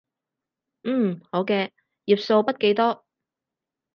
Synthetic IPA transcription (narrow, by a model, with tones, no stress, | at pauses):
m̩ː˥˨˩ho˨˥wkɛː˧ | jiː˨˩p̚so˧wpɐ˥t̚ke˨˥jt̪ɔː˥